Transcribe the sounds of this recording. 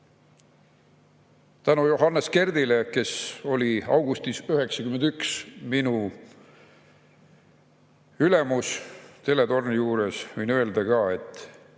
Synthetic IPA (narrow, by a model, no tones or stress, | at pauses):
t̪ænujo̞ɦɑnːeske̞rd̪ile̞ke̞so̞lʲiɑ̰wɡ̥ust̪isyɦe̞ksɑkymend̪̥yksminu | yle̞must̪e̞le̞t̪o̞rnijuːɾesvɯjnøeld̪ɑkɑːe̞t̪ːˑ